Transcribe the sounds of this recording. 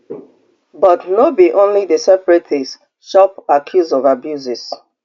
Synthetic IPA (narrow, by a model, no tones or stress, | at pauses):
bɔtnobiʔõnlidəsɛpɹetes | ʃɔpakʰjuzɔvabjuzis